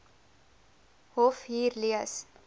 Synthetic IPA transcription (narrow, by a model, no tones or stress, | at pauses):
hofhiːɾliəs